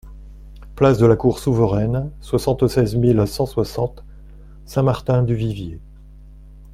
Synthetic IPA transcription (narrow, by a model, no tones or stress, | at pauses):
plasd̪əlakuʁsuvəʁɛnswasɑ̃t̪sɛzmilsɑ̃swasɑ̃t̪ | sɛ̃maʁt̪ɛ̃d̪yvivje